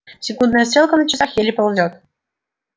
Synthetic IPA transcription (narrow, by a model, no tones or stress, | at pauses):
sʲɪkund̪nəjəst̪ɾʲelˠkənət͡ɕɪsɑxjelʲipolˠdʲot̪